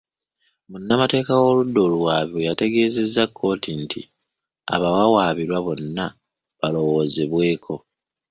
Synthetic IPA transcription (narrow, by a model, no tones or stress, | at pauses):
munːamate̞ːkawo̞ludːo̞ːluwaːβiwejate̞ɡe̞ːze̞zːakʰːo̞ːtintʰḭ | a̰βawawaːβiɾwaβo̞nːa | βalo̞wo̞ːzeβwe̞ːkʰo̞